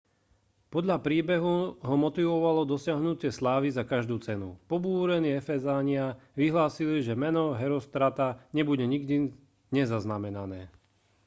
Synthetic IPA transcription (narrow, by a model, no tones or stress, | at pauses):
pɔd̪ʎapɾiːbɛɦuɦɔmɔt̪iʋɔʋalɔd̪ɔsɪaɦnuc̪ɪɛslaːʋizakaʒd̪uːt͡sɛnṵpɔbuːɾɛniɛfɛzaɲɪaʋiɦlaːsiliʒɛmɛnɔɦɛɾɔst̪ɾat̪aɲɛbuɟɛɲiɡd̪i | ɲɛzaznamɛnanɛː